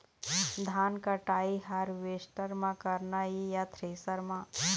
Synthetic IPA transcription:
d̪ʱaːnkaʈaːiɦaːɾʋeːsʈəɾmãkɐɾnaɦijat̪ʰɾeːsəɾmã

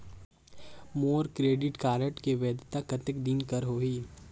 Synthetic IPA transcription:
moːɾkɾeːɖɪʈkaːɾəʈkeʋeːd̪t̪akɐt̪ɪkd̪inkɐɾɦoːɦiː

